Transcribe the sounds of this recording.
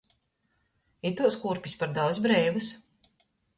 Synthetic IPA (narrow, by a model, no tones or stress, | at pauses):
it̪uɔskuɾpʲispaɾd̪aw̪sbɾɛjbas